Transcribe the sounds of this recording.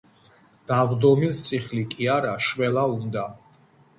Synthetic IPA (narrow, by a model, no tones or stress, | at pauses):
d̪̥avd̪ɔmist̪sʰʼiχlikʼiaɾaʃwɛlaund̪a